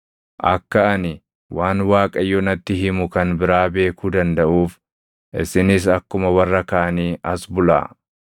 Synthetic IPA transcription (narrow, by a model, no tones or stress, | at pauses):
ʔɐkːɐʔɐnɪ | wʔaːnwaːkʼɐjːɔnɐt̪ːɪɦɪmʊkɐnbɪɾaːbe̞ːkuːd̪ɐnd̪ɐʔuːf | ʔɪ̰sɪnɪs̬ɐkːʊmɐwɐrːɐkɐʔɐniːʔɐsbʊla̰ː